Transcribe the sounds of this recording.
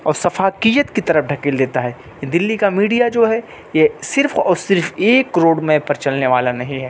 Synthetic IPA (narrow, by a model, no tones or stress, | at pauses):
ɔːɾsɐfaːkijət̪kit̪ɐɾəfɖʱɐkɪld̪eːt̪aɦɛː | jed̪ɪlːikamiːɖijad͡ʒoːɦɛ | jesɪɾfɔːɾsɪɾfeːkːɾoːɽmẽpɐɾt͡ʃɐlneʋaːlanɐɦĩɦɛː